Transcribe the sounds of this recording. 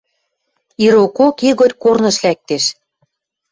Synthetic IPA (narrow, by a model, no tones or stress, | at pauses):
iɾokokiɣotʲkornɤ̆ʃlæk̚t̪eʃ